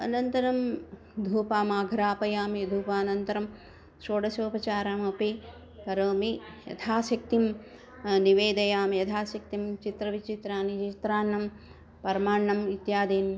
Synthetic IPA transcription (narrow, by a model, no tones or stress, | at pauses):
ɐ̰nɐnt̪ɐɾɐm | d̪ʱuːpaːmaːɡʱɾaːpɐjaːmid̪ʱuːpaːnɐnt̪ɐɾɐm | ʃoːɽɐsoːpɐt͡ʃaːɾaːmɐpi | kɐɾoːmijɐ̰t̪ʰaːsɐk̚t̪im | niʋeːd̪ɐjaːmjɐt̪ʰaːsɐk̚t̪imt͡ʃit̪ɾɐʋit͡ʃit̪ɾaːnit͡ʃt̪ɾaːnːɐm | pɐɾmaːɳːɐmit̪jaːd̪iːn